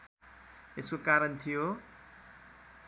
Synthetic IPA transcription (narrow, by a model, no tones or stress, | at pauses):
eskokaɾʌnt̪ʰijo